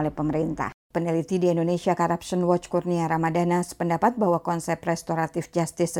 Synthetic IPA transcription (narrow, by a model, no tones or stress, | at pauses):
olɛhpəməɾint̪a̰hpənilit̪idiɛndonesiakaɾapsɔnwɔt͡ʃkurniaɾamadanaspəndapat̪̚bahwakɔnsɛp̚rɛst̪oɾat̪ɪfd͡ʒast̪ɪs